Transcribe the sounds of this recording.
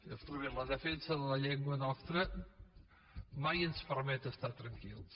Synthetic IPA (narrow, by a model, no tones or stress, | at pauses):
əst̪ɾuβimləðəfɛnsəðələʎɛŋɡwənɔst̪ɾə | majənspəɾmɛt̪əst̪at̪ɾəŋkilˠs